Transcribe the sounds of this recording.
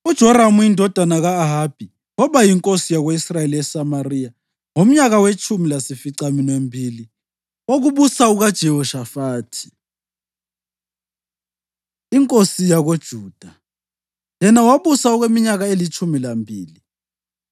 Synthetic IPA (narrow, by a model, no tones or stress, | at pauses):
ud̥ʒ̥ʱɔɾamujindʱɔd̥ʱanaɣaːɦab̥ʱi | wɔβajiŋkʼosijaɣoisrajeliɛsamarija | ŋom̩ɲaɣawet͡ʃʼumilasifiǀaminwembʱiːli | oɣuβusauɣad̥ʒ̥ʱɛɦɔʃafaːtʰi̥ | iŋkʼosijaɣod̥ʒ̥ʱuːd̥ʱa | jɛnawaβusauɣwemiɲaɣaelit͡ʃʰʼumilambʱiːli